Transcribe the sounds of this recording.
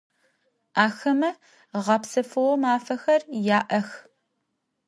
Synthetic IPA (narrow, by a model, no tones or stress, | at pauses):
aːxɐmɐ | ʁɐpsɐfɨwɔmaːfɐxɐrjaːʔɐx